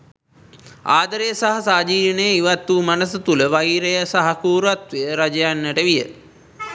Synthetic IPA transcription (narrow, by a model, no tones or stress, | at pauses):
aːd̪əɾejəsaɦɐsaːd͡ʒiːɾnəjəiʋat̪ːumanəsət̪uləʋaiɾejəsaɦakuːɾat̪ʋejəɾad͡ʒəjanːəʈəʋijə